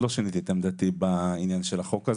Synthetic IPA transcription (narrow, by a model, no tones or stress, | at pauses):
loʃanit̪it̪emd̪at̪ibainjanʃelaχo̞kaz